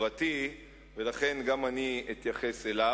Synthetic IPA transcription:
vat̪i | ve̞laχe̞nɡamaniit̪jaχe̞sela

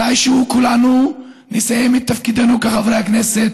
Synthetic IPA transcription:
ajʃeukulanu | nisajemit̪ːafkid̪anukaχavʁeakne̞set̪

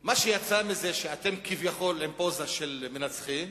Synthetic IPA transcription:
maʃejat͡samizeʃeat̪e̞mkivjaχo̞lempo̞zaʃelmenat͡sχim

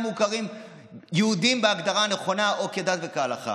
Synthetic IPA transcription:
mukaʁim | jeud̪imbeaɡd̪aʁaːneχo̞nao̞ked̪at̪vekaalaχa̰

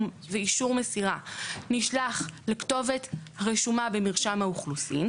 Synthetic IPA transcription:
m | veiʃuʁmesiʁaniʃlaχlekto̞ve̞tʁeʃumabemiʁʃamhauχlusim

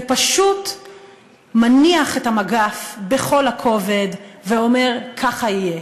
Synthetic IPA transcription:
epaʃut | maniaχethamaɡafbeχo̞lhakʰo̞ve̞dveo̞me̞ʁkʰaχaije

